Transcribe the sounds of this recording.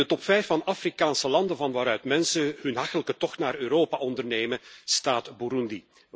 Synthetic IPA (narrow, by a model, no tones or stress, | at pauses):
ətɔpfɛjfːɑnafrikaːnsəlɑndənvɑnʋaːɾœɥtmɛnsəɦɵnɦɑxtələkətɔxtnaːɾøːɾoːpaʔɔndərneːməstaːtbuɾundi